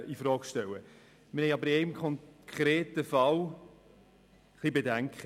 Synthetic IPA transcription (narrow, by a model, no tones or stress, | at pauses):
ifɾɑːkʃtɛwə | mɪhɛɪɑbəɾeɪmkʰɔŋkʰɾeːtəfɑl | χlibedæŋkχə